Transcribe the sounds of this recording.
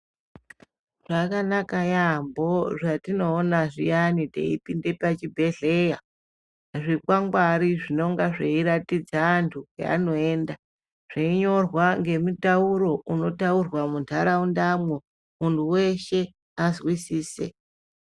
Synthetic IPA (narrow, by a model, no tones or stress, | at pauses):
ʐ̥akanakajambo̞ʐatino̞ːnaʐḭjanitḛḭpinde̞pat͡ʃibʱe̞ɮe̞ja | ʐikwaŋɡwaɾiʐino̞ŋɡaʐeiɾatid͡zantʰukea̰no̞e̞ːnda | ʐ̥eiɲo̞rwaŋɡe̞mutauɾo̞uno̞taurwamuntʰaɾaundamwo | muntʰuwe̞ʃe̞ | azwisiːsḛ